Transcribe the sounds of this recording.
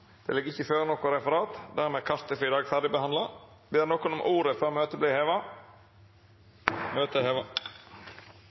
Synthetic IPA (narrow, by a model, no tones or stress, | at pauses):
d̪̥ɛ̰lɪɡːɪçːəføːɾnɔkʊɾɛfəɾɑːt̪d̪æːɾmeːkʰɑst̪əfɪd̪ɑːɡfæʁd̪ɪbəhɑnd̪lɑ | bɪːnɔkʊnɔmʔuːɾəfɔɾmøːt̪əbliːheːʋɑ | møːt̪əheːʋɑ